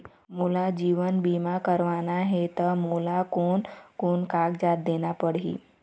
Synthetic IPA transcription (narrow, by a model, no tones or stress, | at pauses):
mulad͡ʑiːʋənbimakəɾʋanaɦet̪əmulakonkunkaɡd͡ʒat̪̚d̪enapəɽɦḭː